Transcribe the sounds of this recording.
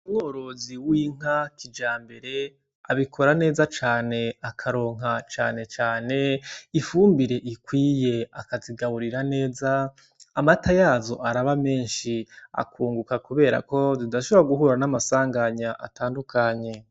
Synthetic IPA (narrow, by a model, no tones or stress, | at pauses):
umŋoɾo̞ziwiːŋ̥akʰid͡ʒaːmbe̞ɾe̞ | aβikʰo̞ɾane̞ːzat͡ʃaːne̞akʰaɾo̞ːŋ̥ɦat͡ʃa̰ːne̞t͡ʃaːne̞ifuːmbiɾe̞ʔikwiːje̞akaziɡaβuɾiɾane̞ːzaː | matajaːzo̞̰ʔaɾaβame̞ːnʃia̰kʰuːŋɡukakuβe̞ːɾa̰ko̞zidaʃoβoɾaɡuɦuːɾanamasaːŋɡaɲaʔa̰taːndukaɲe̞